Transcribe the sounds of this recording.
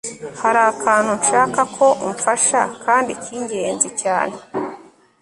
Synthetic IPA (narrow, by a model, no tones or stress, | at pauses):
haɾakʰaːn̥hunʃaːkakʰo̞ʔuɱfaʃa̰kʰaːndicʰiːɲɟe̞ːnzicaːne